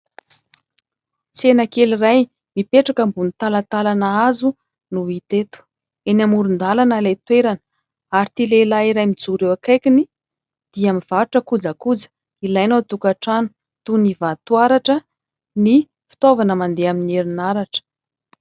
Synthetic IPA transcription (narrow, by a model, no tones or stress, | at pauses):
t͡senəkeliraj | mipeʈ͡ʂakəmbunit̪alat̪alanaazu | nuit̪et̪u̥ | enamuɾund̪alanəlet̪weɾanə̥ | aɾit̪ilelaiɾajmid͡zuɾewakajkʲini | d̪̥iamiv̥aɾuʈ͡ʂəkud͡zakud͡zə̥ | ilajnot̪ukaʈ͡ʂanu̥ | t̪univat̪uaɾaʈ͡ʂə | ni | fi̥t̪ovanəmand̪eamineɾinaɾaʈ͡ʂə̥